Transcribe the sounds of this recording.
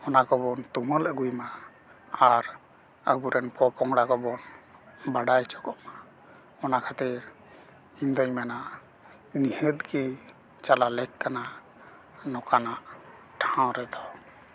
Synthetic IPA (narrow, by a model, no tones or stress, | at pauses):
ɔnakɔbɔnt̪umələɡujma | aɾ | əbuɾɛnpɔpɔŋɽakɔbɔnbaɖajt͡ʃɔkɔʔma | ɔnakʰat̪ɛɾ | ind̪ɔɲmanaʔ | nihət̪̚ɡɛ | t͡ʃalalɛkkːana | nɔkanaʔ | ʈʰãw̃ɾɛd̪ɔ